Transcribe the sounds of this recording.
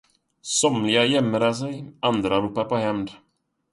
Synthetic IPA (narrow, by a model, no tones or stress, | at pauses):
sɔmlɪɡajɛmːəɾas̬ɛjand̪ɾaɾuːpːapɔhɛmd̪